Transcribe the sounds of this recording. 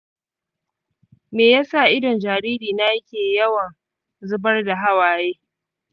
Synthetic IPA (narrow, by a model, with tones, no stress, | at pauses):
meː˨jaː˦sa˦˨ʔɪ˦dɔ˨nd͡ʒaː˨ɾiː˦ɾiː˨na˦jkʲeː˨jɐ˦wɐ˨n | zʊ˦bɐ˦rda˨ɦa˦waː˨jeː˦